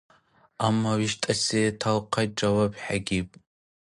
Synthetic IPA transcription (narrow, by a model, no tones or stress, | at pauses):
amːɐwiʃtʼɐseːtʰalqʰɐʈ͡ʂʼɐwɐbħaɡʲipʼ